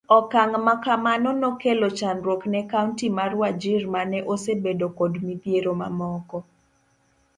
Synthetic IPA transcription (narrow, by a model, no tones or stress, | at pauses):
ɔkaŋmakamanɔnɔkelot͡ʃanɾwoknɛkauntimarwad͡ʒirmanɛʔosebedokodmipjeɾoma̰mɔkɔ